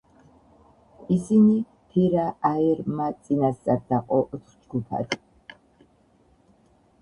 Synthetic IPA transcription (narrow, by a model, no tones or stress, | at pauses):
isini | pʰiɾaaiɾmat̪sʼinast̪sʼaɾd̪aqʼɔʔt̪χd͡ʒɡupʰa̰d̪